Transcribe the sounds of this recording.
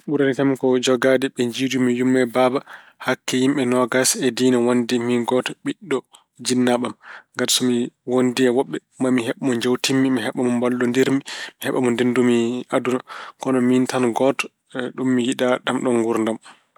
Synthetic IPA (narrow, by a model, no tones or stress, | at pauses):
ɓuɾanikamikɔd͡ʒɔɡadɛɓɛɲd͡ʒiːdumijumːɛbaba | hakːɛjimɓɛnɔɡasɛdinawondɛminɡɔtɔ̥ɓiɗːɔ | d͡ʒinːaɓamŋɡaɾsɔmiwondiɛwɔɓːɛmamiɦɛɓamɔɲd͡ʒawtimːimiɦɛɓamɔmbalːɔndeɾmimihɛɓamɔndendumiadunakɔnɔmintanɡɔtɔ̥ | ɗumːijiɗaɗamɗɔnɡuɾndam